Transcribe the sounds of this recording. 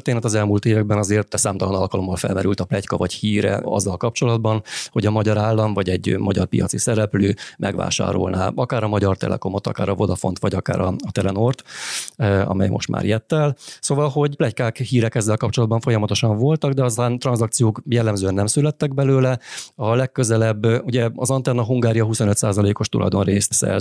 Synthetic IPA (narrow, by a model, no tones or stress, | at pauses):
rt̪eːnɛt̪ɒzɛlmuːlt̪eːvɛɡbɛnɒzeːrt̪ːɛsaːmt̪ɒlɒnɒlkɒlo̞mːɒlfɛ̰lmɛɾylt̪ɒplɛckɒvɒchiːɾɛ̰ɒ̰zːɒlkɒp̚t͡ʃo̞lɒd̪̚bɒnho̞ɟɒmɒɟɒɾaːlːɒɱvɒɟɛɟmɒɟɒ̰rpḭjɒ̰t̪sisɛɾɛpløːmʔɛɡʋa̰ːʃa̰ːɾo̰lnaːɒkaːɾɒmɒɟɒrt̪ɛ̰lʔɛ̰ko̞mo̞t̪ɒ̰ka̰ːɾɒvo̞d̪ɒfont̪ʋɒɟɒka̰ːɾɒɒt̪ɛlɛnort̪ | ɒ̰mɛ̰jmo̞̰ʃt̪mʔa̰ːɾjɛt̪ːɛlsoːvɒlɦo̞ɟplɛckaːkhiːɾɛkɛzːɛlkɒp̚t͡ʃo̞lɒd̪bɒɱfo̞jɒmɒt̪o̞ʃɒɱvo̞lt̪ɒɡd̪ɛɒsaːnt̪rɒnzɒkt̪sijoːkjɛlːɛmzøːɛnːɛmsylɛt̪ːɛɡ̚bɛløːlɛɒlɛkːøzɛlɛbːuɟɛɒzɒnt̪ɛnːɒɦuŋɡaːɾijɒɦuso̞nø̞t̪saːzɒleːko̞ʃt̪ulʔɒ̰jd̪o̞nreːst̪sɛ̰